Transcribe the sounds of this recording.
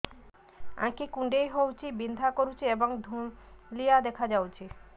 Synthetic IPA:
ã̰kikuɳɖejɦowt͡ɕʰibind̪ʱakoɾut͡ɕʰieboŋd̪ʱumlijad̪ɛkʰad͡ʑawt͡ɕʰi

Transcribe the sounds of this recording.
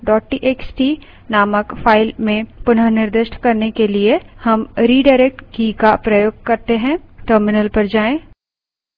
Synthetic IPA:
ɖɔːʈ̚ʈiʔeːksʈi | naːməkfʰaːɪlmẽpʊnəɾnɪɾd̪ɪʃʈkɐɾnekeliehɐmɾiːɖaːɪɾek̚ʈkikapɾɐjoːɡ̚kɐɾt̪eɦɛ̃ʈəːɾmɪnəlpɐɾd͡ʒaːẽː

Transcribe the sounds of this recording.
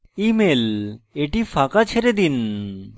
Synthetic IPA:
imeleʈifʰakat͡ɕʰeɾed̪in

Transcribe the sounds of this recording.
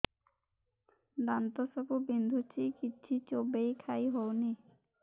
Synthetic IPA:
d̪ant̪ɔsɔbubind̪ʱut͡ʃʰikit͡ʃʰit͡ʃobejkʰajɦowni

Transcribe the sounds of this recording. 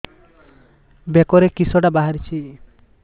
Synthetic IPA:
bekɔɾekisɔɖabaɦaɾit͡ʃʰi

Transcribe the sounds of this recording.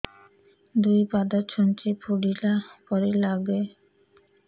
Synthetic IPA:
d̪ujpad̪aɾt͡ɕʰɔnt͡ɕepʰoɖilapɔɾelaɡe

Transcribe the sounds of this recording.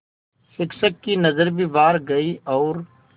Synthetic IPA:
fɪkʃəkːinɐzəɾbʱiʋaːɾɡɐiʔɔːɾ

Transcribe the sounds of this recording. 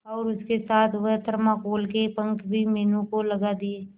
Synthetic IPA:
ɔːɾʊskesaːt̪ʰʋət̪əɾmãkoːlkepə̃ŋkbʱimeːnũkolɐɡad̪ieː

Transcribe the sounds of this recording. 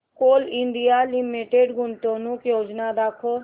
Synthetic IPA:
koːlɪ̃nɖ̪ijaːlɪmeːʈeːɖɡʊɳt̪õːnũːkjoːd͡ʒnaːd̪aːkʰoː

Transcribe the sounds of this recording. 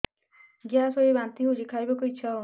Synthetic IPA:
ɡjasɔjibant̪iɦusikʰajbɔkuit͡ʃʰɔ

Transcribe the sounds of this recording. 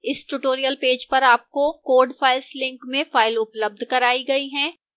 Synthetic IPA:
ɪsʈʊʈoːɾijəlpeːd͡ʒpɐɾaːp̚kokoːɾɖfaːɪlslɪ̃ŋkmẽfaːɪlʊpləb̚d̪ʱkɐɾaːiɡɐiɦɛ̃ː

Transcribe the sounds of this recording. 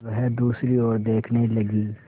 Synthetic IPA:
ɦɛd̪uːsɾiɔːɾd̪eːkʰnelɐɡiː

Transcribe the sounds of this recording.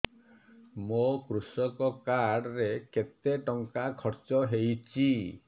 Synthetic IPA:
mokɾusɔkɔkaɽɾeket̪eʈɔŋkakʰɔɾt͡ʃɔɦejt͡ʃʰi

